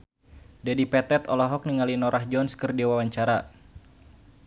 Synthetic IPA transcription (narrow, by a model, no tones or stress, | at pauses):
dadipɛt̪ɛt̪ɔlɔɦɔk̚niŋalinɔɾʔahd͡ʒɔnskɨrdiwawaɲt͡ʃaɾa